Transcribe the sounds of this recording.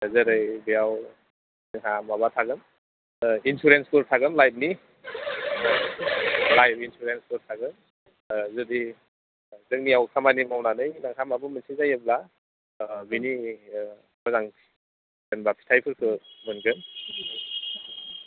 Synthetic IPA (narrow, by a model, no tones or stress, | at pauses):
zɯɾɯjbijaw | nɯŋɦamabatʰaɡɯm | insuɾenskɯɾtʰaɡɯmlajp̚ni | lajp̚insuɾenskɯɾtʰaɡɯm | zɯdi | zɯŋniawkʰamanimawnanɯjnaŋhʰamabɯmɯnsʰizajɯbla | bini | bazaŋ | zenbapʰi̥tʰajpʰɯɾkʰɯmɯnɡɯn